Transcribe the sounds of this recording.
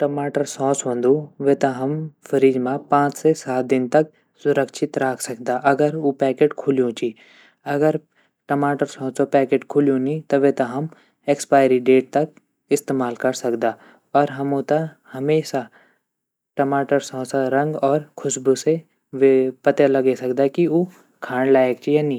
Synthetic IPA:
ʈɐmaːʈəɾsɔ̃ːsʋɐ̃nd̪uʋet̪ɐɦɐmfʰɐɾiːd͡ʒmãpãːt͡ʃsesaːt̪̚d̪ɪnt̪ɐk | sʊɾəkʃʰɪt̪ɾaːkʰsɐkd̪aʔɐɡəɾupɛːkeːʈkʰʊlijũt͡ʃiː | ɐɡəɾ | ʈɐmaːʈəɾsɔ̃ːsopɛːkeːʈkʰʊljũnĩt̪ɐʋet̪ɐɦɐm | ekspaːɪjɾiɖeːʈ̚t̪ɐk̚ | ɪst̪eːmaːlkɐɾsɐkd̪aː | ɔːɾɦɐmõt̪ɐ | hɐmeːʃa | ʈɐmaːʈəɾsɔ̃ːsaɾɐ̃ŋɡɔːɾkʰʊʃbuse | ʋepɐt̪elɐɡesɐkd̪akio | kʰaːɳlaːek̚t͡ʃʰijaːnĩ

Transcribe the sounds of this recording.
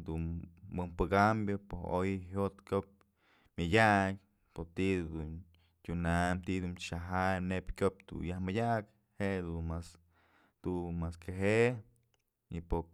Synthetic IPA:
d̪unmɨmpɨɡambʲopoojɦot̪kʲop̚ | mʲɨdʲaʔkʲ | pot̪iʔd̪un | tʲunamt̪id̪unt͡ʃaɦajnepʲkʲop̚t̪ṵjahmɨdʲak | hed̪unmas | t̪umaskeɦe | ipo

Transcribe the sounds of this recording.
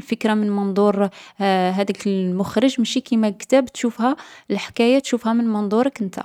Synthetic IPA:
lfəkɾamənmɑnd̪ˤuɾ | ɦæd̪ikəlmʊxɾəʒmæʃikimækt̪æbt̪ʃufhælħkæjat̪ʃufhæmənmɑnd̪ˤuɾˤəkənt̪æ̰

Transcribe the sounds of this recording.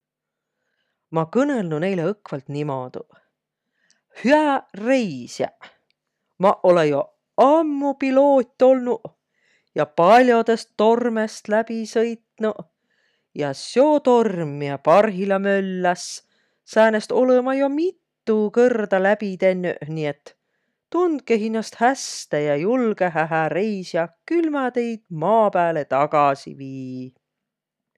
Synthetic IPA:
mɑkɤnelnune̞jleɤkvɑlt̪nimod̪̥u | hyærejsjæ̰ | mɑʔo̞lejo | ɑmːupilo̞ːt̪ʲːˑo̞lnu | jɑpɑlʲjo̞d̪e̞st̪ːo̞rmest̪læb̥isɤjt̪nu | jɑsjo̞ːt̪o̞rmːiɑpɑrɦilɑmølːæs | sæːnest̪o̞lemɑjomit̪ːukɤrd̪̥ɑlæb̥it̪e̞nːy̰ʔniet̪ː | und̪̚keɦinːɑst̪hæst̪æjɑjulɡeɦæɦæɾejsjɑkylmɑt̪e̞jd̪̥̚mɑːpæːle̞t̪ɑɡ̥ɑsḭviː

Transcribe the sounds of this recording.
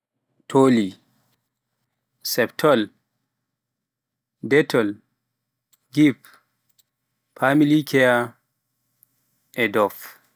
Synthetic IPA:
tʰoli | sɛptʰɔl | dɛtʰɔl | ɡip | pʰːamilikʰɛja | ʔɛdɔf

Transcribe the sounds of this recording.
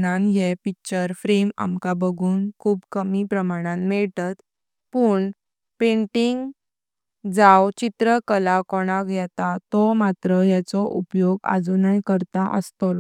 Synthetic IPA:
ɽãnjɛpik̚t͡ɕəɾfɾema̰mkabəɡʱuːnkʰuːbkəmipɾəmaɽ̃ãnmɛɭt̪at̪ | puːɳ | pẽɳʈiŋɡ | d͡zawt͡ɕit̪ɾəkəlakɔɽ̃akɡʱjɛt̪at̪ɔmat̪ɾəjat͡sɔʔupjoɡa̰d͡zunajkəɾt̪aʔə̰st̪ɔl

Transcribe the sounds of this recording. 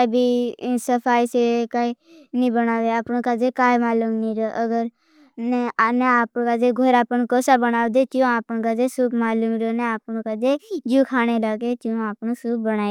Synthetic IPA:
kaibʱiːsəpʰaːisekaːi | nĩːbənaːʋeaːpnũːkaːd͡ʒeːkaːimaːluːmnĩːɾəʔəɡəɾ | nɛnẽaːpːkaːd͡ʒeɡʱoːɾaːpənkoːsaːbənaːʋd̪eːt͡ʃ̪jũaːpənːkad͡ʒeːsʊkmaːluːmɾonẽaːpnũːkaːd͡ʒed͡ʒuːkʰaːneːlaːɡeːt͡ʃjõaːpnũːsuːk̚bəñaː

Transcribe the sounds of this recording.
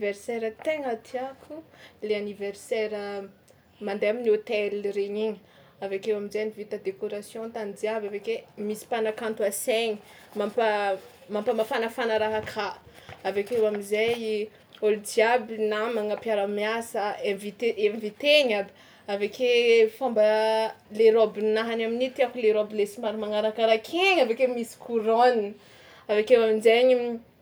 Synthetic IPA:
vɛrsɛɾət̪eŋat̪iakʰuleaniveɾsɛɾə | mand̪eaminiot̪eliɾeɲiɲi | avakewamizejnivit̪əd̪ekoɾasjɔ̃t̪anid͡ziabavekemisi̥panakãnt̪uaseɲi | mampə | mampəmafanəfanaɾaɦakʰa | avekewamizaj | olid͡ʒiabinamaŋapjaɾamiasəevit̪eʔemvit̪eɲabi̥ | avekefambəleɾobinaɦanaminit̪iakuleɾobilesimaɾimaŋaɾakaɾakʰeɲavekemisi̥kʰuɾonn | avekewaminzeɲi

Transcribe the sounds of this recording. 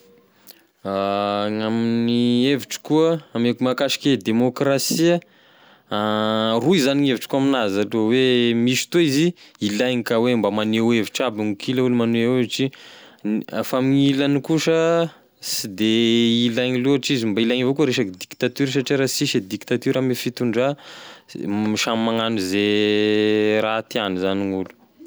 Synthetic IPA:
aŋaminieviʈ͡ʂi̥kuəamekumakaʃi̥ked̪emokrasiə | aruizaniŋeviʈ͡ʂkuaminazalowemiʃi̥t̪oiziilajŋikawembamaneweviʈ͡ʂabiŋukʰilaulumanuewʈ͡ʂi | famiɲilanikuʃə | sid̪eilajɲiluaʈ͡ʂizimbailajɲivokuɾeʃad̪ikt̪at̪yɾʃ̬aʈ͡ʂeɾasiʃid̪ikt̪at̪yɾamifit̪uɳɖ͡ʐa | miʃamaŋanuze | ɾat̪ianizaniŋulu̥

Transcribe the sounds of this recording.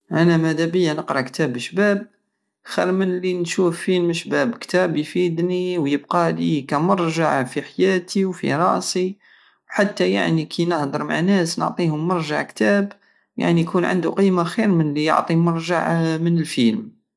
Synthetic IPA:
ʔænæmæd̪æbəjːanəqɾˤɑkt̪æbəʃbæb̚ | xiɾmənlinʃufːilmʃbæbkt̪æbjfid̪niwjəbqɑlikæmɑɾˤʒaʕfiħajæt̪iwfḭɾˤɑʔsi | wħat̪ːæja̰ʕnikʰinəhd̪əɾˤma̰ʕnæsnə̰ʕt̪ˤihʊmːɑɾˤʒa̰ʕkt̪æb | ja̰ʕnijkunʕə̰nd̪uqijmaxiɾmənlijə̰ʕt̪ˤimɑɾˤʒa̰ʕmənəlfilm

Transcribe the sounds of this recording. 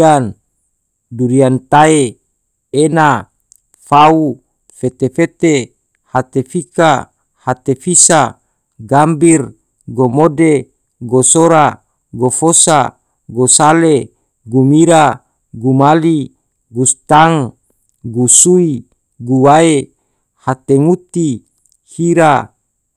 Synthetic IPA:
an | duɾiant̪ae | ena | fau | fet̪efet̪e | hat̪efika | hat̪efisa | ɡambir | ɡomode | ɡosoɾa | ɡofosa̰ | ɡosale | ɡumiɾa | ɡumali | ɡust̪aŋ | ɡusui | ɡuwae | hat̪eŋut̪i | hiɾa

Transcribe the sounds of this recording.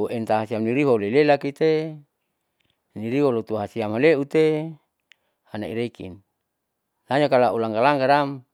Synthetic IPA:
oʔent̪aɦasiamniɾiɦoulelelakit̪e | niɾiwolot̪uɦasiamaleut̪e | hana̰ḭɾekḭn | laɲakalaulaŋɡalaŋɡaɾam

